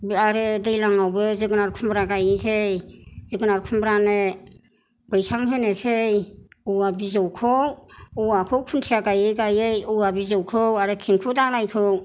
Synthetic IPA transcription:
biaɾɯdɯjlaŋawbɯzɯɡɯnaɾkʰumbɾaɡajnisʰejzɯɡɯnaɾkʰumbɾane | b̥ɯjsʰaŋɦɯnesejuwabizɔwkʰɔwuwakʰowkʰuntʰiaɡajɯjɡajɯjuwabizɔwkʰɯwaɾɯtʰiŋkʰudalajkʰɯw

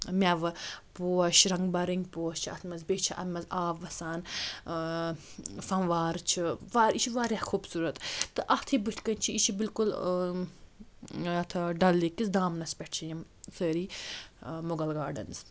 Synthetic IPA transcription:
mʲaʋɨpoːɐʃɾɐŋɡbɐɾiŋɡpoːɐst͡ʃʰiɐ̰t̪ʰmɐzbʲeːt͡ʃʰiʔɐ̰t̪mɐzaːʋːɐsaːn | fɐnʋaːɾt͡ʃʰiʋaːɾit͡ʃʰiʋaːɾʲjaxuːbsuːɾɐt̪t̪ɨʔɐt̪ʰibɨt̪ʲʰkɐnt͡ʃʰiit͡ʃʰibilkul | ɐt̪ʰɐɖɐlːikisd̪aːmnɐspʲɛʈʰt͡ʃʰijim | səːɾiː | moɡɐlɡaːɖɐ̰nz

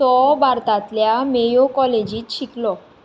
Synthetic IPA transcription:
sɔbaɾt̪at̪ljamejokɔled͡ʑit̪ʃiklɔ

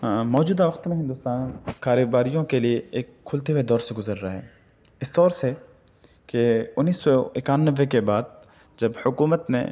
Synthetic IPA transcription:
mɔːd͡ʒuːd̪aʋɐqt̪mẽɦɪ̃nd̪ʊst̪aːnkaːɾeːbaːɾijõkelieeːkʰːʊlt̪eʋed̪ɔːɾseɡʊzəɾːaɦɛ̰ː | ɪst̪ɔːɾse | keʊnːiːsːɔɪkaːnːəʋːekebaːd̪̚ | d͡ʒɐbhʊkuːmət̪nḛ

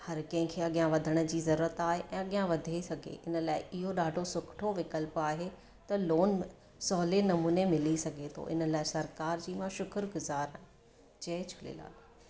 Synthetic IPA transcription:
hɐɾkɐ̃ɦɪ̃kʰeːɐɠijãʋɐd̪ʱəɽ̃ə̆d͡ʑiːzɐɾuːɾət̪aːɦeʔɛ̃ːɐɠijãʋɐd̪ʱesɐɡʱḛɪnəlaːɪʔɪɦoɗaːɖʱosʊkʰʈʰoʋɪkəlpaːɦe | t̪ɐloːn | sɔːlenɐmuːnemɪlisɐɡʱet̪ʰo̰ʔɪ̰nəlaːɪsɐɾkaːɾd͡ʑiːmãʃʊkəɾɡʊzaːɾaːɦɪ̃ | t͡ɕɐɪt͡ɕʰʊlḛla̰ː

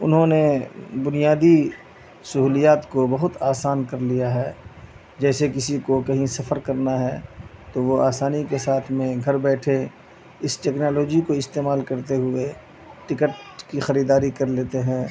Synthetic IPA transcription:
ʊ̰nɦõnebʊnijaːd̪i | sʊɦuːlijaːt̪kobɐɦʊt̪aːsaːnkɐɾlijaɦɛː | d͡ʒɛːsekɪsikokɐɦĩsɐfəɾkɐɾnaɦɛːt̪oʋoaːsaːnikesaːt̪ʰmẽɡʱɐɾbɛːʈʰe | ɪsʈɛːknaːloːd͡ʒikoɪst̪eːmaːlkɐɾt̪eɦʊe | ʈɪkəʈ̚kixɐɾiːd̪aːɾikɐɾleːt̪eɦɛ̃ː

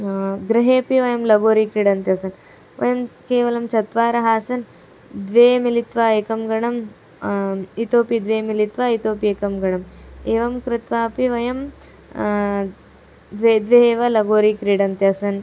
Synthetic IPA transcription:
ɡɾɪɦeːpiʋɐjɐmlɐɡoːɾikɾiɽɐnt̪jɐsɐn | ʋɐ̰jɐmkeːʋɐlɐmt͡ʃɐt̪ʋaːɾɐɦaːsɐn | d̪ʋeːmilit̪ʋaːeːkɐmɡɐɳɐm | it̪oːpid̪ʋeːmilit̪ʋaːit̪oːpieːkɐmɡɐɳɐmeːʋɐmkɾɪt̪ʋaːpiʋɐjɐm | d̪ʋed̪ʋeɦeːʋɐlɐɡoːɾiːkɾiɽɐnt̪jɐsɐn

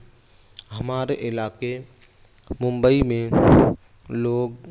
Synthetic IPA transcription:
ɦəmaːɾeʔɪlaːke | mʊ̃mbəimẽ | loːɡ

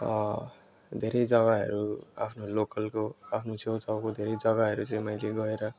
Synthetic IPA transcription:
ʌ | d̪ʱeɾʌjd͡zʌɡaɦʌ̰ɾua̰pʰnolokʌlkoapʰnosewt͡sʰʌwkod̪ʱeɾʌjd͡zʌɡaɦʌɾut͡sʌĩmʌjleɡʌeɾʌ

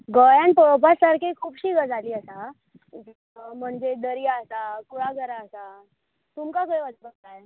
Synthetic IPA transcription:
ɡəjãnt̪oɭpasaɾkʰekʰuːbɕiːɡəd͡zʱaliːəsa | m̤əɳd͡zeɖəɾiːasakuɭaɡʱəɾaəsa | t̪umkakəjʋəd͡zbəɡt̪ae

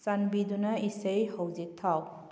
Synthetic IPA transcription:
sanbidunɐisejhowzik̚tʰaw

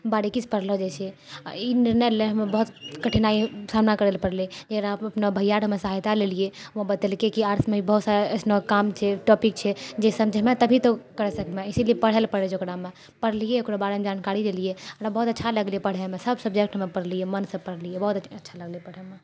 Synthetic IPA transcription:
baɽikit͡ʃʰpəɽ̤lod͡ʒet͡ʃʰɛiniɾnəlːeɦəmebəɦut̪kəʈʰinaisamnakəɾɛlpəɾlid͡ʒekɾãəpnebʱəjaɽɦəmesəɦajt̪alelije | õbət̪əlkekiaɾsmẽibəɦut̪saɾeəsnokamt͡ʃʰɛʈɔpik̚t͡ʃʰɛd͡ʒesəmd͡ʒʱmet̪əbʱit̪okəɾɛsəkmeisiliepəɽ̤ɛlpəɽɛt͡ʃʰokɾame | pəɾlijeokɾobaɽemd͡ʒankaɾid̪elijeokɾabəɦut̪ətːʃʰaləɡlijepəɽ̤ɛmesəbsəb̚d͡ʒek̚ʈɦəmepəɽlijemənsəpəɽ̤lijebəɦut̪əətːʃʰaləɡlipəɽ̤ɛme

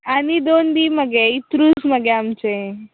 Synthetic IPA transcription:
anid̪ond̪iməɡeit̪ɾusməɡeamt͡ʃẽ

